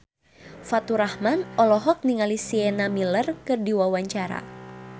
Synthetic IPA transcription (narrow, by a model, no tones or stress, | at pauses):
fat̪uɾahmanɔlɔɦɔk̚niŋalisiɛnamilərkɨrdiwawaɲt͡ʃaɾa̰